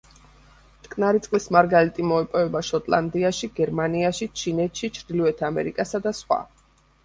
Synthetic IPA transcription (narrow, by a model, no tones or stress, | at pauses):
t̪ʼkʼnaɾit̪sʼqʼlismaɾɡalit̪ʼimɔɛpʼɔɛbaʃɔt̪ʼlˠa̰nd̪iaʃiɡɛɾmaniaʃit͡ʃʰinɛt̪ʰʃit͡ʃʰɾd̪iliɛt̪ʰamɛ̰ɾikʼasad̪asχwa̰